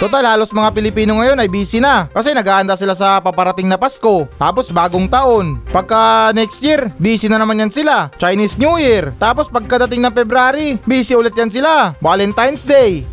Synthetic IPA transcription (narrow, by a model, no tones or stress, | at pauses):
t̪ot̪alhaːlo̞smɐŋapɪlɪpiːnoŋɐjo̞nɐjbiːsɪnɐkɐsɛnɐɡaːhɐnd̪asɪlas̬ɐpɐpɐɾɐt̪ɪŋnɐpasko̞t̪a̰ːpo̞sbaːɡoŋt̪ɐʔo̞npɐɡ̚kɐnɛkst̪jiɾbiːsɪnɐnɐmanjansɪlat͡ʃɐjnisnjuːjɪɾt̪aːp̬o̞spɐɡ̚kɐd̪ɐt̪ɪŋnɐŋpɛbɾaːɾibiːsɪʊlɛt̪̚jansɪlawaːlɛnt̪ajnsd̪ɛj